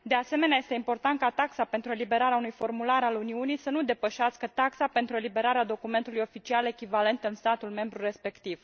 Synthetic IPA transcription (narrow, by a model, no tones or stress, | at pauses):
d̪e̞ase̞me̞neaje̞st̪e̞impo̞rt̪ant̪̚kat̪aksape̞nt̪ɾue̞libe̞ɾaɾeaunujfo̞rmulaɾaluniunijsənud̪e̞pəʃaskət̪aksape̞nt̪ɾue̞libe̞ɾaɾead̪o̞kume̞nt̪ulujo̞fit͡ʃiale̞kʲivale̞nt̪ɨnst̪at̪ulme̞mbɾure̞spe̞kt̪iv̥